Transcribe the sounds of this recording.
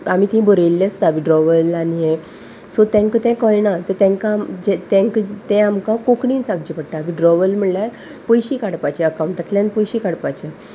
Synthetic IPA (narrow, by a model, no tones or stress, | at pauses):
am̤it̪ĩbəɾelːest̪aʋiɖɾɔʋəlaniɦe | sɔt̪ɛ̃ŋkt̪ɛ̃kəɭnat̪əɾt̪ɛ̃ŋkamd͡ʑet̪ɛ̃ŋkt̪ɛ̃amkakokɳiːnt͡sak̚d͡ʑipəɽʈaʋiɖɾɔʋəlm̤əɳljaɾ | pəjɕiːkaɽpat͡ɕɛəkawuɳʈat̪ljãnpəjɕikaɽpat͡ɕe